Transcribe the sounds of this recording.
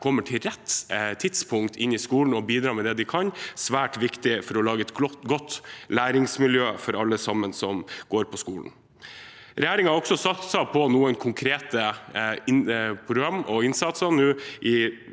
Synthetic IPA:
kʰɔmːəʈʰɪlɾɛt̪ːt̪ʰɪt̪spʰʊŋkt̪ʰɪnɪskuːln̩ɔbiːd̪ɾɑːmɛd̪ɛd̪ɪkʰɑnsʋæːʈʋɪkt̪ɪfɔɾɔlɑːɡəɛt̪ɡɔt̪ːlæːɾɪŋsmɪljøːfɔɾɑlːəsɑmːənsɔmɡ̥oːɾpʰɔskṵːln̩ | ɾɛjæːɾɪŋɑɾɔksɔsɑt̪sɑpʰɔnuːənkʰʊŋkʰɾeːt̪ə | pʰɾʊɡɾɑmːɔɪnsɑt̪sɑnʉːʔɪ

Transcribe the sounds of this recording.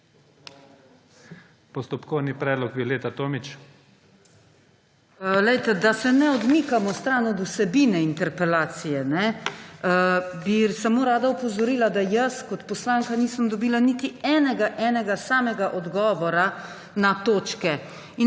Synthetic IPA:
pɔst̪ɔpkɔwnipɾɛːd̪lɔk̚bileːt̪at̪oːmit͡ʃ | lɛjt̪ɛd̪asɛnɛɔd̪miːkamɔst̪ɾanɔd̪usɛbinɛint̪ɛɾpɛlaːt̪sijɛnɛ | bisamoːɾaːd̪aupɔzɔɾiːlad̪ajəskɔt̪pɔslaːŋkaniːsəmd̪ɔbiːlanit̪iɛːnɛɡaʔɛːnɛɡasaːmɛɡaʔɔd̪ɡɔːʋɔɾa | nat̪oːt͡ʃkɛ | i

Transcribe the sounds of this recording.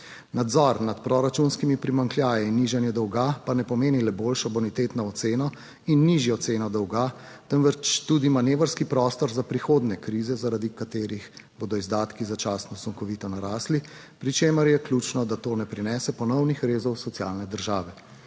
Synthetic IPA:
nad̪zɔɾnat̪pɾɔɾat͡ʃunskimipɾimaŋklʲjaːjiinːiʒanjɛd̪ɔwɡapanɛpɔmeːnilɛboːlʃɔbɔnit̪eːt̪nɔɔt̪seːnɔ | inːiʒjɔt̪seːnɔd̪ɔwɡa | t̪ənʋət͡ʃt̪uːd̪imaneːʋəɾskipɾɔːst̪ɔɾzapɾixoːd̪nɛkɾiːzɛzaɾad̪ikat̪eːɾixbod̪ɔizd̪aːt̪kizat͡ʃaːsnɔsɔŋkɔʋiːt̪ɔnaɾaːsli | pɾit͡ʃeːməɾjɛklʲuːt͡ʃnɔd̪at̪oːnɛpɾinɛsɛpɔnɔwnixɾeːzɔwsɔsiaːlnɛd̪əɾʒaːʋɛ

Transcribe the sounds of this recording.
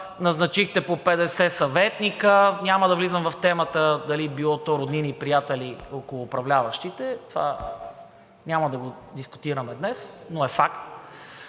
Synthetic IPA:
nɐznɐt͡ʃixt̪ɛpopɛd̪ɛsɛsɐvɛt̪nikənʲamɐd̪ɐvlizəmvɐft̪ɛmət̪əd̪ɐlibilˠɔt̪ɔɾod̪ninipɾijat̪ɛliokolˠʊːpɾɐvlʲavɐʃt̪it̪ɛt̪va̰ | nʲamɐd̪ɐɡod̪iskʊ̥t̪iɾɐmɛd̪nɛsnoɛfakt̪

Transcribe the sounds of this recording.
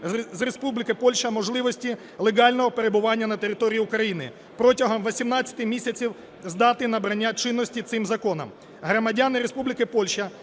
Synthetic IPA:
zrespublʲɪkɪpɔlʲʃɐmɔʒlˠɪʋɔsʲtʲi | lˠeɡɑlʲnɔɦɔpeɾe̞bʊʋɑnʲːɐnɐt̪eɾʲɪt̪ɔɾʲijiʊkɾɐjinɪ̰ | pɾɔtʲɐɦɔmʋɔsʲimnɑt͡sʲːɐt̪ɪmʲisʲɐt͡sʲiw | zd̪ɑt̪ɪnɐbɾɐnʲːat͡ʃɪnːɔsʲtʲit̪sɪmzɐkɔnɐ̰m | ɦɾɔmɐdʲanɪɾespublʲɪkɪpɔlʲʃɐ

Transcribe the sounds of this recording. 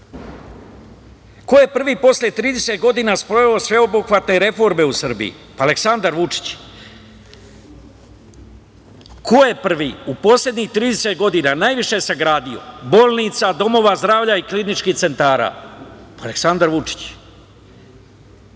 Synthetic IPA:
koje̞pr̩ʋiːpo̞slʲe̞t̪ɾiːd̪e̞set̪ɡo̞d̪iːnaspɾo̞ʋeo̞sʋe̞obuxʋat̪ne̞ɾe̞fo̞ɾme̞usr̩bḭḭ | paale̞ksand̪aɾʋut͡ʂi̥t͡ɕ | kʰojepr̩ʋiupo̞slʲe̞d̪ɲixt̪ɾiːd̪eset̪ɡo̞d̪inanaːjʋiʃe̞saɡɾaːd̪io̞̰bo̞ːlˠnit̪sad̪o̞mo̞ʋazd̪ɾaːʋʎaiklinit͡ʃkiht̪se̞nt̪aːɾa̰ːpaleksand̪aɾʋut͡ʂi̥t͡ɕ

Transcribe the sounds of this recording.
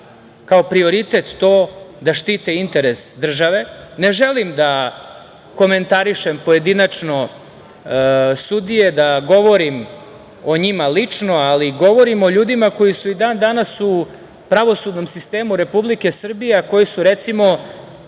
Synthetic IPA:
kaopɾioɾit̪et̪ːo̞ːd̪aʃt̪iːt̪eint̪e̞ɾesd̪r̩ʒaʋe̞ne̞ʒelimd̪a | ko̞me̞nt̪aɾiʃempo̞je̞d̪inat͡ʂno̞ | sud̪ije̞d̪aɡo̞ʋo̞ɾim | o̞ɲimalit͡ʂno̞aliɡo̞ʋo̞ɾimo̞ʎuːd̪imako̞jisuid̪aːnd̪anasu | pɾaʋo̞sud̪no̞msist̪e̞ːmuɾe̞publike̞sr̩bijeako̞jisuɾet̪simo̞

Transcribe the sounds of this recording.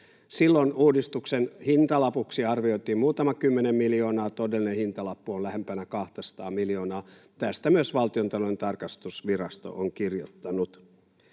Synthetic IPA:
silːonuːdist̪uksenhint̪ɑlɑpuksiɑrʋioit̪iːmmuːt̪ɑmɑkymːenemmiljo̞ːnɑːt̪odelːinehint̪ɑlɑpːuonlæhempænækɑht̪ɑsɑ̥t̪ɑːmiljoːnɑː | t̪æst̪æmyøsʋɑlt̪iont̪ɑloent̪ɑrkɑst̪usʋirɑst̪o̰ʔoŋkirjo̰t̪ːɑnut̪

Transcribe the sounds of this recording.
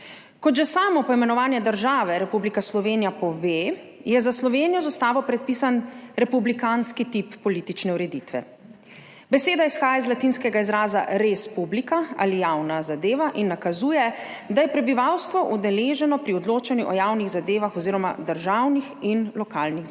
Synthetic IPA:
kɔʒɛsaːmɔpɔimɛnɔʋaːnjɛd̪əɾʒaːʋɛɾɛpublikaslɔʋeːnijapɔʋeː | jɛzaslɔʋeːnijɔzɔst̪aːʋɔpɾɛt̪̚piːsanɾɛpublikanskit̪ipːɔliːt̪it͡ʃnɛuɾɛd̪iːt̪ʋɛ̰ | bɛseːd̪aisxaːjaizlat̪inskɛɡaizɾaːza̰ɾespublikaa̰lijawnazad̪eːʋaʔinːakazuːjɛd̪ajɛpɾɛbiʋawst̪ʋɔʔud̪ɛleːʒɛnɔpɾiɔd̪loːt͡ʃanjuʔɔjawniɣzad̪eːʋaxɔziːɾɔma̰d̪əɾʒawnixinlɔkaːlniɣ

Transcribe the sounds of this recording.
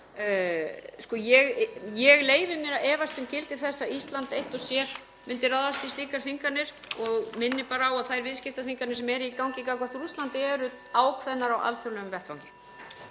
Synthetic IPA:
skɔjɛɣjɛɣleːjvɪmjɛɾaɛːvast̪ɪmcɪlt̪ɪɾ̥θɛsːaist̪lant̪ejht̪ɔsjɛɾ̥ | mʏnt̪ɪrawðast̪ist̪iːkaɾ̥θiŋkanɪɾ̥ | ɔɣmɪnːɪpaːɾaːwaðθajɾvɪðscɪft̪aθiŋkanɪ̥sɛmɛɾikawŋcɪkakɔst̪rust̪lant̪ɪɛɾʏ | aːwkʰvɛnːaɾawa̰lθʏɾlɛʏmvɛr̥t̪vawŋcɪ̥

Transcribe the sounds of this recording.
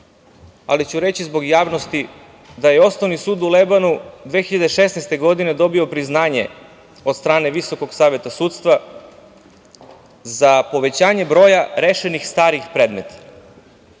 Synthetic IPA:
a̰lit͡ɕuɾe̞t͡ɕizbo̞ɡjaːʋno̞st̪i | d̪ajeo̞snoʋnisuːd̪ulebanud̪ʋeːxiʎad̪eʃesnɛjst̪eɡo̞d̪ine̞d̪o̞bio̞pɾiznaːɲe̞̰ | od̪st̪ɾaːne̞ʋiso̞ko̞ɡsaːʋje̞t̪asuːt̪st̪ʋa | zapo̞ʋe̞t͡ɕaːɲe̞bɾo̞ːjaɾeʃenixst̪aːɾixpɾeːd̪me̞t̪ʰḁ

